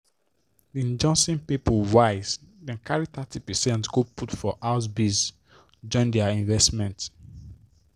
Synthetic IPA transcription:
diĩnd͡ʒɔ̃nsĩnpipolwaɪsdɛ̃nkʰaɹit̪atʰipɛsɛ̃ntɡoputfɔʔaʊs̬bis | d͡ʒɔ̃ɪ̃ndɛaĩnvɛstmɛ̃nt

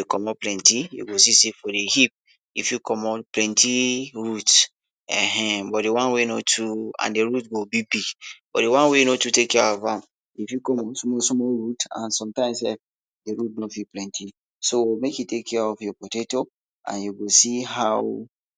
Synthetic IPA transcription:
ekɔmɔplɛ̃ntijṵɡosisefɔdehip̚ | ifjukʰɔmɔplɛ̃ntʰiɹut | ɛ̃ɦɛ̃bɔt̚dewãnwenotʰuã̰ndeɹutɡobibiɡb̥ɔ̰tdewãnwenotutekːɛɔfãm | ifjukɔ̃mɔsmɔsmɔɹutã̰nsɔ̃mtãɪ̃msɛ̰f | deɹutnofiplɛ̃ntʰi | sowmekjutekʰːɛɔfjɔpɔteto | ã̰njuɡosiɦaw

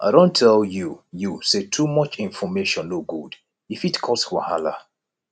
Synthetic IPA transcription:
ʔa̰ɪɾõntʰɛljujusetʰumʌt͡ʃĩnfɔmeʃɔ̃nluk̚ɡ̥ud | ifitkʰɔswahala̰

